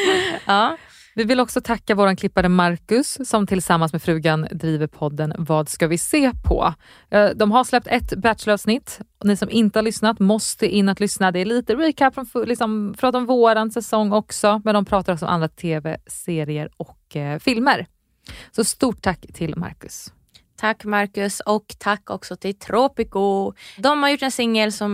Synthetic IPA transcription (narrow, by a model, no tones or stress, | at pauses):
ɑː | vɪvɪlɔksɔt̪ʰakːavoːɾankʰlɪpːad̪əmaɾkɵsːɔmt̪ʰɪlsamːansmɛfɾʉ̟ːɡand̪ɾiːvəɾpʰɔd̪ːənvɑːd̪skavɪseːpʰɔ̰ | d̪ɔmɦaslɛp̚t̪ʰɛt̪bæt̪ʃlɑːvsnɪt̪ːnɪsɔmɪnt̪əhaɾɭʏsnat̪mɔst̪əʔɪnːat̪lʏsnad̪ɛɛɭiːt̪əɾiːkʰæpːɾɔnflɪksɔmfɾɑːt̪aɔmvoːɾansɛsɔŋːɔksɔmɛnd̪ɔmpʰɾɑːt̪aɾɔksɔma̰nɾat̪ʰeːvɛseːɾɪəɾɔkfɪlməɾ | sɔst̪uːʈʰːakːt̪ʰɪlma̰ɾkɵ̰s | t̪ʰakːmaɾkɵsɔkt̪ʰakːɔ̰ksɔt̪ʰɪlt̪ʰɾoːpɪkʊd̪ɔmhaɾjʊʈːɛnsɪŋːəlsɔm